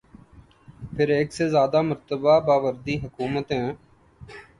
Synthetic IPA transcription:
pʰɪɾeːksezjaːd̪aːməɾt̪əbaːbaːʋəɾd̪iːɦəkuːmət̪ɦɛ̃ː

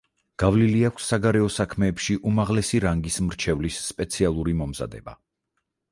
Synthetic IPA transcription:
ɡ̥avliliakʰʷsːaɡaɾɛɔsakʰmɛːpʃiʔumaʁlɛsiɾaŋɡismɾt͡ʃʰɛvlisːpʼɛt̪sʰialˠuɾimɔmza̰d̪ɛ̰ba̰

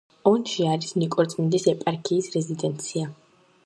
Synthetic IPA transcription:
ɔnʃiaɾisnikʼɔɾt̪ʼmind̪isɛpʼaɾkʰiːsɾɛzid̪ɛnt̪sʰia

